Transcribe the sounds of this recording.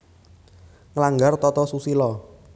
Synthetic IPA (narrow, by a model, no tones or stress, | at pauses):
ŋəlaŋɡart̪ɔt̪ɔsusilɔ